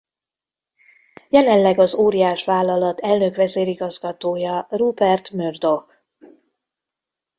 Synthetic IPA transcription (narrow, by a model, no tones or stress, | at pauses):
jɛlɛnlɛɡɒzoːɾijaːʃʋaːlːɒlɒt̪ɛlnøkʋɛzeːɾiɡɒzɡɒt̪oːjɒrubɛrt̪mørd̪o̞x